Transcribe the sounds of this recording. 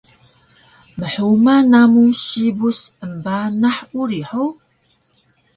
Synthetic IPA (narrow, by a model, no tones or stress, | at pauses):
mɨħuwmɐnaːmusiːbʊsəmbaːnɐħʔʷuriːħow